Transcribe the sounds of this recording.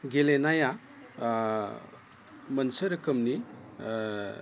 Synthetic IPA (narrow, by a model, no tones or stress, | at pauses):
ɡelenaja | mɐnsəɾɯkʰɯmni